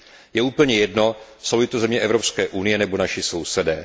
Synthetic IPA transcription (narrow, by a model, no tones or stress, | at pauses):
jɛuːpl̩ɲɛjɛdno̞sowlɪt̪ozɛmɲɛʔɛvɾo̞pskɛːʔunɪjɛnɛbo̞naʃɪso̞wsɛdɛː